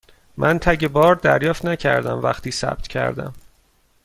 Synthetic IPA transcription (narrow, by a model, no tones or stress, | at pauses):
mʔænt̪ʰæɟebɒːɾd̪æɾjɒːft̪næcʰæ̰ɾd̪æmvæ̰xt̪iːsæ̰b̥̚t̪ʰcʰæ̰ɾd̪æ̰m